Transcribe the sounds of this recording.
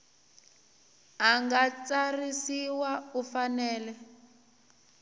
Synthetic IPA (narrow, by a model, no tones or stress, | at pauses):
aŋɡat͡sarisiwaufanɛːlɛ